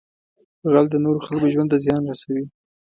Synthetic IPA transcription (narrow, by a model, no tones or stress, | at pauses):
əɣald̪ənoɾoxalkoʒwand̪t̪azjɑnɾasawi